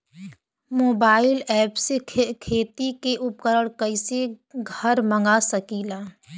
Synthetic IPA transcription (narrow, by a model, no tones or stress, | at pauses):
moːbaːɪlɛːpsekʰeːt̪ikeʔʊpkəɾəɽ̃kəɪseɡʱəɾmə̃ŋɡasəkilaː